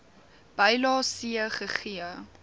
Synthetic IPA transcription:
b̥əjlɑːsiəχəχiə

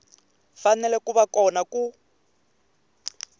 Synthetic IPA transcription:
fanɛlɛkuβakɔnaku

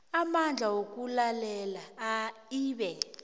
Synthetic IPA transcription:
amand͡ɮʱawok̬ʼulalɛlaːiːɓɛ

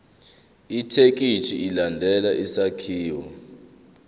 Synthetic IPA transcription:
itʰek̬ʼit͡ʃʰiilandʱɛlaʔisakʰiːwɔ

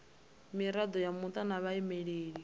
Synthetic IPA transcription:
miɾad̪ɔjamut̪ʼanaβaɛmɛɺeːɺi

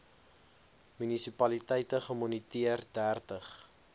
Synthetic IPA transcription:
mynisipɐlitəjtəχəmɔnitiərdæːrtəχ

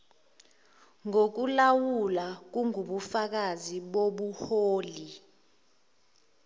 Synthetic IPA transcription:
ŋok̬ulawulak̬uŋuɓufak̬aziɓoɓuhoːli

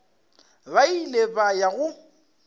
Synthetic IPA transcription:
bailebajaɣʊ

